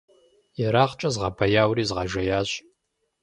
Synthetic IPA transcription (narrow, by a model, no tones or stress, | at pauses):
ɛɾaːχt͡ʃʼɐzʁɑbʰɐjaːwriːzʁɑʒɐjaːɕ